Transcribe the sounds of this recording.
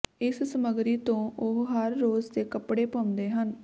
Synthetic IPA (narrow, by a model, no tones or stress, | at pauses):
ɪssəməɡɾiːt̪õːʔʊɦɦəɾːoːzd̪eːkəpɽeːpəʊnd̪eːɦən